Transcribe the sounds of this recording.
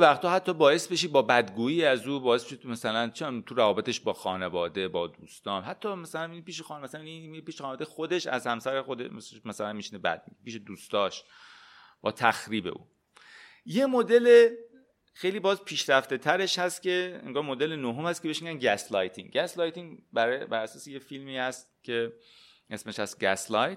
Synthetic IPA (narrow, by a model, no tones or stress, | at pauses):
evæxt̪ʰɒːhæt̪ʰːɒːbɒːje̞sbe̞ʃiːbɒːbæd̪ɡuːiːæzuːbɒːjesbeʃimæsælænt͡ʃʰit̪ʰuɾævɒːbe̞t̪ʰe̞ʃbɒːxɒːnevɒːd̪e̞bɒːd̪uːst̪ɒːnɦæt̪ʰːɒːmæsælænipiːʃexmæsælæniipiːʃɑːnevɒːd̪ejxod̪e̞ʃæ̰zhæmsæɾexod̪ḛʃmsʃmæsælænmiʃinebæ̰d̪̥̚mipʰiːʃed̪uːst̪ɒːʃ | b̥ɒːt̪ʰæxɾiːbe̞̰ʔṵː | je̞mod̪e̞le | xe̞jliːbɒːzpʰiːʃɾæft̪e̞t̪ʰæɾe̞ʃhæst̪ce̞ḛŋɡɒːɾmo̞d̪elenoɦomhæst̪kcebe̞ʃmiɡʲænɟæslɒjt̪ʰiŋɟæslɒːjt̪iŋbæɾbæɾæsɒːsejefilmiːhæst̪cʰe̞ | ʔe̞smeʃæsɡæslɒjt̪